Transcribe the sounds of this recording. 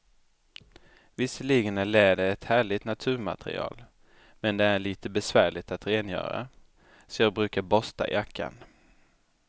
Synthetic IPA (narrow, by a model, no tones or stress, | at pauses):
vɪsːəɭiːɡənæɭɛːd̪əɛt̪hæːɭɪt̪nat̪ʰʉ̟ːɾma̰t̪ʰɾɪ̰ɑ̰ːl | mɛnd̪ɛæɭiːt̪əbɛsvæːɭɪt̪at̪ɾeːnjœ̰ːɾa̰ | sɔjɑːɡ̚bɾʉ̟ːkaɾbɔst̪a̰jʔakʰːa̰n